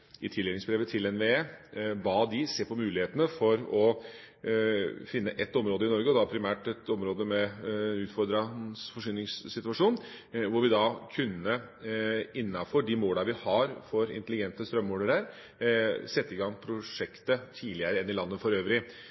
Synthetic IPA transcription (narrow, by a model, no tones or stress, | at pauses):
ʔɪt̪ʰɪlɛnɪŋsbɾeːʋət̪ʰɪlɛnʋeeːbɑːd̪ɪseːpʰɔmʉːlɪheːt̪ənəfɔɾɔ | fɪnːəʔɛt̪ːɔmɾoːd̪əɪnɔɾɡəɔd̪ɑpʰɾɪmæːʈɛt̪ɔmɾoːd̪əmɛʉːt̪fɔɾd̪ɾɑsfɔʂyːnɪŋsːɪt̪ʉɑʂuːn | ʋʊɾʋɪd̪ɑkʰʉnːə | ɪnːɑfɔɖɪmoːləʋɪhɑɾfɔɾɪ̰nt̪əlɪɡɛnt̪əst̪ɾœmːuɖəɾəɾ | sɛt̪ːəɪɡɑŋːpʰɾʊʂɛkt̪ət̪ʰiːlɪəɾəɛnːɪlɑnːəfɔɾøːʋɾɪ